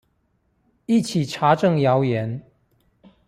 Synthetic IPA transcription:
i˥˨t͡ɕʰi˨˩ʈ͡ʂʰa˧˥ʈ͡ʂɤ˥˨ŋjɑ˧˦ʊjɛ˨˧˦n

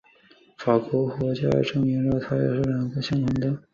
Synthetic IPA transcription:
fa˨˩kwɔ˧˥kwɔ˧˥t͡ɕja̰˥ʈ͡ʂɤ˥˩ŋi˧˥nɻɤ˥˩t̪ʰa˥jɛ˨˩ʂ̩˥˩ljɑ˨˩ŋɡə˧ɕjɑ˥ŋt̪ʰʊ˧˥ŋd̪ə˨

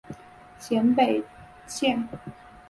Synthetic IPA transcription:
t͡ɕʰjɛ˧˥npe˨˩ɪ | t͡ɕʰjɛ˥˩n

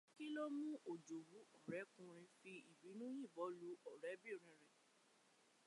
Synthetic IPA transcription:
ki˦lɔ˦mũ˦ʔo˨d͡ʒo˨wu˨˦ɔ˦˨ɾɛ˨˦kũ˧ɾ̃ĩ˧fi˧i˨bi˨˦nũ˦jĩ˦˨bɔ˨˦lu˨˦ʔɔ˨ɾɛ˨˦bi˦˨ɾ̃ĩ˨˧˨ɾ̃ɛ̃˨

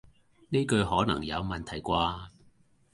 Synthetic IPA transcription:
ne˥kɵ˧ɥɦɔː˨˥nɐ̰˨˩ŋjɐ̰˨˧wmɐ˨nt̪ʰɐ˨˩jkʷaː˧

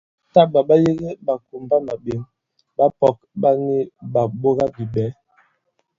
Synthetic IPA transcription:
ta˦ba˨ɓa˦ji˦ɣe˦ba˨ku˨mba˦ma˨be˨˦m | ba˦pɔ˨k̚ɓa˦ni˦ba˨bo˦ɣa˦bi˨bɛ˨˦

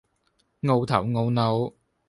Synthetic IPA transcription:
ŋo˧wt̪ʰɐ˨˩wŋo˧wno˨˧w

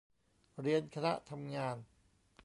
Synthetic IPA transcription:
ɾi˧ənkʰa˧na̰˦˥t̪ʰa˧mŋaː˧n

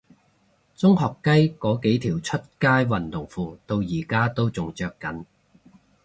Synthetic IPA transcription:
t͡sʊ˥ŋɦɔː˨kːɐ˥jkɔː˨˥ke˨˥jt̪ʰiː˨˩wt͡sʰɵ˥t̚kaː˥jwɐ˨˩nt̪ʊ˨˩ŋfuː˧t̪o˧wjiː˨˩kaː˥t̪o˥wt͡sʊ˨ŋt͡ʃœː˧kːɐ˨˥n

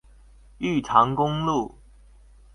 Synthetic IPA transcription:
y˥˩ʈ͡ʂʰɑ˨˥˦ŋkʊ˥ŋlu˥˨˩

